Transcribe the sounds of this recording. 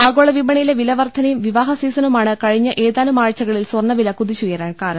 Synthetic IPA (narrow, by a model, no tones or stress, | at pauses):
aːɣoːɭɐʋibɐɳɐjileʋilɐʋɐrt̪ʰːɐnɐjumʋiʋaːɦɐsiːsɐnumaːɳɨkɐɻiɲːɐʔeːðaːnumaːɻt͡ɕːɐɣɐɭilswɐrɳɐʋilɐkuðit͡ɕujɐɾaːɳkaːɾɐɳ